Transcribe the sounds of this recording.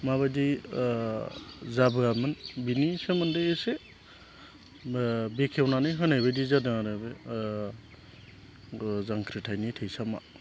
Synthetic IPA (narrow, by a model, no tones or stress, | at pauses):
maβadij | zabɯamɯnbinisemɯndɯjese | bekʰewnanɯjɦɯnajbejdizadɯaɾebe | zaŋkʰɾitʰajnitʰɯjsama̰